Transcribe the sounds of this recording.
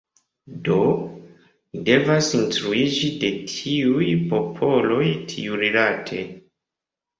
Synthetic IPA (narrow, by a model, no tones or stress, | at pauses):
do̞ | de̞vasinstɾuid͡ʒide̞tʰiujpo̞pʰo̞lo̞jtʰiuɾilatʰe